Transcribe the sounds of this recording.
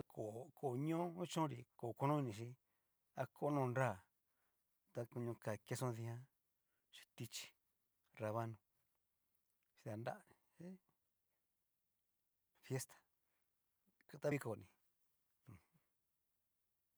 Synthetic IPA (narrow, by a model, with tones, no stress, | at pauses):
a˧kʰo˨˧ko˨ɲõ˦ũ˦t͡ʃõ˦ɾi˧˨ko˨ko˧nũ˦i˧nĩ˧ʃ̬i˦ | a˧kʰo˦˧nõ˦˧nɾa˦˨ | t̪a˧ku˧ɲũ˧ka˨ke˧sõ˦˧ði˧hã˦ | t͡ʃi̥˧t̪i˧t͡ʃi̥˧ | ɾa˧βa˦nũ˧ | t͡ʃi̥˧ða˧nda̰˦˧ | e˦ | fje˦st̪ḁ˨ | ku˧t̪a˦βi˦˧ko˨˧˨nĩ˨˧˨